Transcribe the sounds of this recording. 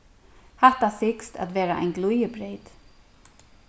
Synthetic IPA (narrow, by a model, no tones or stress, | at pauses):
haht̪asɪkst̪a̰t̪ʋɛːɾaʔa̰jnɡlujəbɾejt̪